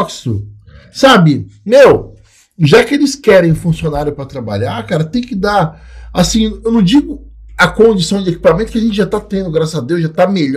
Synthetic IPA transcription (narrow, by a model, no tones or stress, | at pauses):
ksʊ | sabɪmew | ʒakɪelɪskɛɾẽj̃fũsionaɾjʊpɾɐt̪ɾaba̰ʎaɾkaɾɐt̪ẽj̃kɪd̪aasĩewnɐ̃w̃d͡ʒiɡʊ | ɐkõd͡ʒisɐ̃w̃d͡ʒɪeki̥pamẽnt̪ʊkɪɐʒẽnt͡ʃɪʒat̪at̪ẽd̪ʊɡɾasɐad̪ewsʒat̪ameʎ